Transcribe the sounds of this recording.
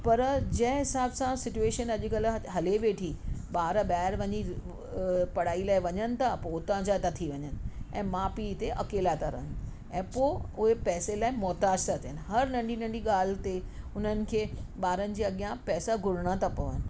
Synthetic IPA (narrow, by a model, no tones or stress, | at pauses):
pɐɾd͡ʑɐ̃ɦɪ̃ɦɪsaːbsãsɪt͡ɕueːʃənɐʄkɐl̆ɦɐleʋeːʈʰiɓaːɾɓaːɦɪɾʋɐɲi | pɐɽ̤aːilaːɪʋɐɲənɪ̆t̪ʰapoʊt̪ãd͡ʑat̪at̪ʰiʋɐɲənɪ̆ɛ̰̃ːmaːpit̪eʔɐkeːlat̪ʰaɾɐ̰n | ɛ̃ːpoːʊɦepɛːselaːɪmɔːt̪aːd͡ʑt̪ʰat̪ʰiɦɪnɪ̆ɦɐɾnɐ̃ɳɖʱinɐ̃ɳɖiɠaːl̤t̪e | ʊn̤ənɪ̆kʰeːɓaːɾənɪ̆d͡ʑiːɐɠijãpɛːsaɡʱʊɽ̤ɽ̃at̪ʰapɐʋə̰nɪ̆